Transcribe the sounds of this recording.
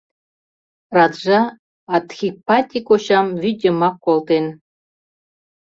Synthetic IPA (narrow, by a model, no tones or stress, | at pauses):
rɑt̪ʐɑː | t̪xʲipɑt̪ʲikoɕɑmvyd̪ʲemɑkːolt̪en